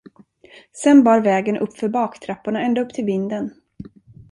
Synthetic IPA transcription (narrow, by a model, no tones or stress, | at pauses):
sɛnbɑːɾvɛːɡənʔɵ̰pːfœɾbɑːkt̪ʰɾapːʊɳaɛnd̪aɵpːt̪ʰɪlvɪnd̪ən